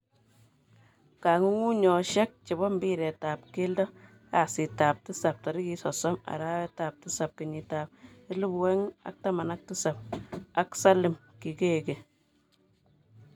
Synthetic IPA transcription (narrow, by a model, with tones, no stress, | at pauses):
ka˨ŋu˦ŋu˦ɲɔ˨ʃɛ˦k̚t͡ʃe˨bɔ˦mbi˦ɾɛ˨ta˨p̚ke˦ldɔ˦ | ka˨si˨ta˨p̚tɪ˦sa˨p̚tɔ˨ɾi˦ki˨˦sɔ˨sɔ˦ma̰˨ɾa˦wɛ˦ta˨p̚tɪ˦sa˨p̚kɪ˨ɲi˨ta˨p̚ɪ˦lu˦bwɛ˦ŋa̰˨k̚ta˦ma˨na˦k̚tɪ˦sa˨p̚a˨ksa˦lɪ˨m | ki˨ke˦˨ke˨